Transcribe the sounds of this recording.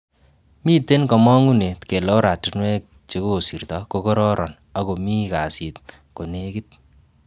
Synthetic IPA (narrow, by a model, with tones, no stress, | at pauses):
miː˦te˦nkɔ˨mɔ˦ŋu˦ne˨tke˨lo˦ɾa˨tu˦nwɛ˦k̚ | t͡ʃe˨˦ko˦˨si˨rt̪ɔ˨ko˧kɔ˦ɾɔ˦ɾʔɔ˨n | a˦ko˨mi˦ka˨si˨t̚ | ko˨ne˦ki˦t̪̚